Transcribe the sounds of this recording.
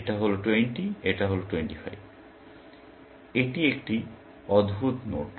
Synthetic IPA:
ʈaɦoloʈweɳʈieʈaɦoloʈweɳʈifa̰jb | eʈiekʈi | ɔd̪bʱut̪noʈ

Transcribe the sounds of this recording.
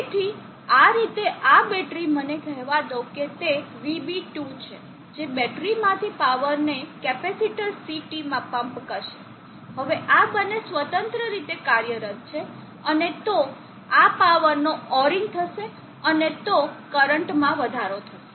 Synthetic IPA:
et̪ʰi | aɾit̪eʔabɛʈɾimənekɛɦʋad̪əuket̪eʋibiʈut͡ʃʰe | d͡ʒebɛʈɾimãt̪ʰipaʋəɾnekɛpɛsiʈəɾsiʈimãpəmpkəɾʃe | ɦəʋeʔabənːesʋət̪ənt̪ɾəɾit̪ekaɾjəɾət̪̚t͡ʃʰe | ənet̪o | apaʋəɾnoɔɾĩŋɡ̚t̪ʰəʃe | ənet̪okəɾəɳʈmãʋəd̪ʱaɾot̪ʰəʃe

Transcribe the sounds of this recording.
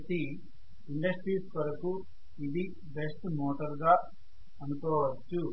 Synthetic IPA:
t̪i | iɳɖɐsʈɾiːskɐɾɐku | id̪i | be̞sʈmɔːʈɐɾɡaː | ɐnukɔːʋɐt͡ʃːu

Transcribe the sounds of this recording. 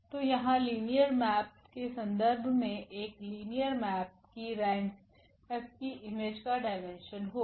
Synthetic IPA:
t̪ojɐɦãliːnijəɾmɛːp̚ | kesɐ̃nd̪əɾbʱmẽʔeːkliːnijəɾmɛːp̚kiɾɛːns | ɛːpkiʔɪmeːd͡ʒkaɖaːɪmẽnʃənɦoː

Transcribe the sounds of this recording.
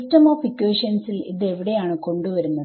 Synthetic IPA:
tɐmoːfikːweːʂɐnsilḭðe̞ʋiɽe̞jaːɳɨko̞ɳɖuʋɐɾunːɐ

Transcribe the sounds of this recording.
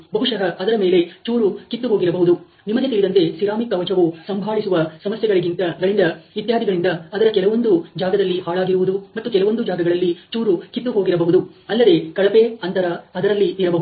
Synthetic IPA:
bɐɦuʂɐɦɐɐd̪ɐɾɐmeːle̞t͡ʃuːɾukit̪ːuɦo̞ːɡiɾɐbɐɦud̪u | nimɐɡet̪iɭid̪ɐnt̪e̞siɾaːmikɐʋɐt͡ʃɐʋusɐmbʱaːɭisuʋɐsɐmɐsjɛɡɐɭiɡint̪ɐɡɐɭind̪ɐit̪jaːd̪ʱiɡɐɭind̪ɐːd̪ɐɾɐkɛlɐʋo̞nd̪ud͡ʒaːɡɐd̪ɐlːihaːɭaːɡiɾuʋud̪umɐt̪ːukɛlɐʋo̞nd̪ud͡ʒaːɡɐɡɐɭɐlːit͡ʃuːɾukit̪ːuɦo̞ːɡiɾɐbɐɦud̪uɐlːɐd̪e̞kɐɭɐpe̞ɐnt̪ɐɾɐɐd̪ɐɾɐlːiiɾɐbɐɦu

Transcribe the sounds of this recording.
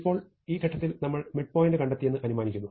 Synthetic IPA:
pːo̞ːɭ | iːɡʱɐʈːɐt̪ːilnɐmːɐɭmiʈ̚poːjindekɐɳɖet̪ːije̞nːɨʔɐnumaːnikʲːunːu

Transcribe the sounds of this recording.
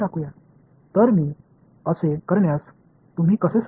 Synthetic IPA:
akuja | t̪əɾmiː | əsekəɾɳjas | t̪um̤ʱiːkəses

